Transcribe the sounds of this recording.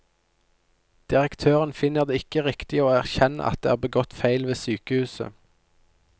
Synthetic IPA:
d̪̥ɪʁəkt̪ʰøːʁənfɪnːəʁd̪eːɪkəʁɪkt̪ɪəoːæʁçɛnə̰ʔɑ̰t̪̚d̪ḛːæːʁbəɡɔt̪fæɪlʋeːsyːkəhʉːsə̰

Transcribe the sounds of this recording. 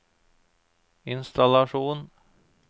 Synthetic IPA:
ɪnst̪alaʂuːn

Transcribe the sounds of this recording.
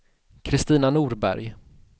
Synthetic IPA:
kʰɾɪst̪iːnanuːɾbæ̰ɾj

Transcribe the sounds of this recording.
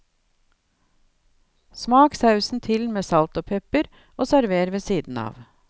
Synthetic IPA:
smɑːksɑʉsn̩t̪ʰɪlmeːsɑlt̪oːpʰɛpəɾ | ʔoːsæɾʋeːɾʋeːsiːd̪n̩ɑ̰ːʋ

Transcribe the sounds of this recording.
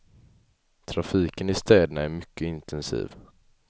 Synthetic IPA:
t̪ʰɾafiːkənɪst̪ɛːd̪ənaæɾmʏkːəɪnt̪ʰɛnsḭːv

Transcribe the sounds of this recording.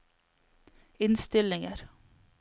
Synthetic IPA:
ɪnst̪ɪlɪŋəɾ

